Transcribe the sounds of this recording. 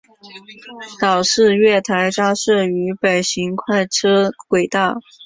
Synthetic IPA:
t̪ɑ˨˩ʊʂɻ̩˥˧ɥɛ˥˩t̪ʰa˧˥ɪʈ͡ʂa˥ʂɤ˥˩y˧˥pe˨˩ɪɕi˧˥ŋkʰwa˥˩ɪʈ͡ʂʰɤ˥kwe˨˩ɪt̪a˥˩

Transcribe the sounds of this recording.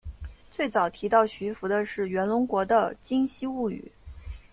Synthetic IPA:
t͡swe˥˩ɪt͡sɑ˨˩ʊt̪ʰi˧˥t̪ɑ˥˩ʊɕy˧˥fu˧˥d̪ə˧ʂɻ̩˥˩ɥɛ˧˥nlʊ˧˥ŋkwɔ˧˥d̪ə˧t͡ɕi˥ŋɕi˥u˥˩y̰˨˩˦

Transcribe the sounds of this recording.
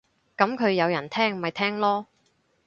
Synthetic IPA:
kɐ˨˥mkʰɵ˨˧ɥjɐ˨˧wjɐ˨˩nt̪ʰɛː˥ŋm˨mɐ˨jt̪ʰɛː˥ŋlɔː˥

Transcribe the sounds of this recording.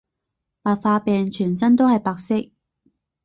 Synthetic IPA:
paː˨k̚faː˧pɛː˨ŋt͡ʃʰyː˨˩nsɐ˥nt̪̬o˥whɐ˨jpaː˨˧k̚sɪ˥k̚

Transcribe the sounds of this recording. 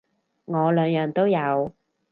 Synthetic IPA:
ŋɔː˨˧lœː˨˧ŋjœː˨˧ŋt̪o˥wjɐ˨˧w

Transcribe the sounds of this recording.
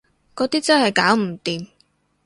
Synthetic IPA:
kɔː˨˥t̪iː˥t͡sɐ˥nhɐ˨jkaː˨˥wm̩˨˩t̪iː˨m

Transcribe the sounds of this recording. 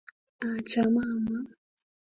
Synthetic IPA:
a˨t͡ʃa˨ma˦˨ma˦

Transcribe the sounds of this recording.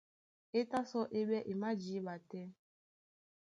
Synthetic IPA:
e˦ta˦sɔ˦ʔe˦be˦ʔe˨ma˦d͡ʒi˨˦ba˨tɛ˦

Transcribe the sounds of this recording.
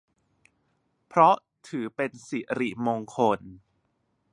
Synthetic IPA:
pʰɾɔ˦˥ʔ | t̪ʰɯː˩˦pe˧nsi˨˩ɾi˨˩moː˧ŋkʰo˧n

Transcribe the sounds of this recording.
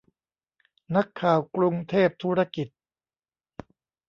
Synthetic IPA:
na˦˥kʰːaː˨˩wkɾu˧ŋt̪ʰeː˥˩p̚t̪ʰuː˦˥ɾa˦˥ki˨˩t̪̚

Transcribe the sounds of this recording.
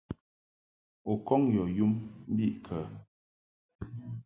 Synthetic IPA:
o˨kɔ˦ŋjɔ˨ju˦mm̩˦bi˦ʔkʰə˨

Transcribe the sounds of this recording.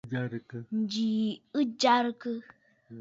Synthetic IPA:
d͡ʒa˦ɾkə˦n˨d͡ʒi˨ɨ˦d͡ʒa˦ɾkə˦

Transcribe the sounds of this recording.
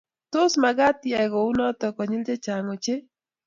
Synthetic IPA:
tʊ˦sma˨ɡa˦t̪jɛ˨ɡo˨u˦nɔ˦t̪ɔ˨kɔ˨ɲɪ˦ld͡ʒe˦t͡ʃa˨ŋo˨t͡ʃe˦

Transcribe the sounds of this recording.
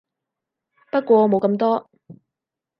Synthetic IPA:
pɐ˥t̚kʷɔː˧mo˨wkɐ˧mt̪ɔː˥

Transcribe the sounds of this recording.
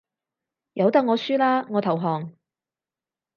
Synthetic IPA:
jɐ˨˧wt̪ɐ˥k̚ŋɔː˨˧syː˥laː˥ŋɔː˨˧t̪ʰɐ˨˩wɦɔː˨˩ŋ

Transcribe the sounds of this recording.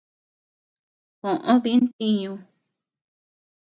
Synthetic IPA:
kõ˨ʔõ˦ði˧˦nt̪i˧ɲũ˧

